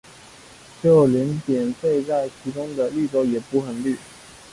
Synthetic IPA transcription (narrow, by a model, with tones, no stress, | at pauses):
t͡ɕjo˥˩ʊljɛ˧˥np̪jɛ˨˩nfe˥˧ɪt͡sa˥˩ɪt͡ɕʰi˧˥ʈ͡ʂʊ˥ŋd̪ə˨ly˥˩ʈ͡ʂo˧˥ʊjɛ˨˩pu˧˥xə˨˩nly˥˩